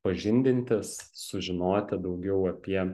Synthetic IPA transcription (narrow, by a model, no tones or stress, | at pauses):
pɐʒʲɪnʲd̪ʲɪnʲt̪ʲɪsːʊʒʲɪnoːt̪ʲɪd̪ɐʊɡʲɛʊɐpʲiɛ